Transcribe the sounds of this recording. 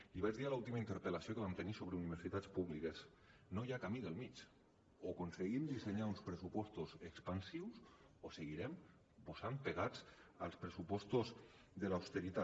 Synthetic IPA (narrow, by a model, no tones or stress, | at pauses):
iβazðialaulˠt̪imaint̪əɾpəlasiokeβamt̪enisoβɾeuniβ̞eɾsit̪at͡spuβlikes | nojakamiðəlˠmit͡ʃ | okonseɣimd̪iseɲaunspɾesupɔst̪ozekspansiws | oseɣ̞iɾɛm | posampeɣat͡salˠspɾesupɔst̪oz | ðelawst̪eɾit̪a